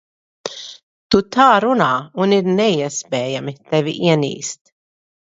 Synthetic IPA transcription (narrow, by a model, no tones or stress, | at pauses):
t̪ut̪ʰaːɾunaːuniɾnɛiɛspɛːjamit̪ɛvḭʔiɛnḭːst̪